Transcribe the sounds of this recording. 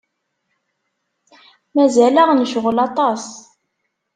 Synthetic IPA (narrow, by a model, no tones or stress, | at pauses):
mæzælæʁnʃʊʁlɑt̪ˤɑs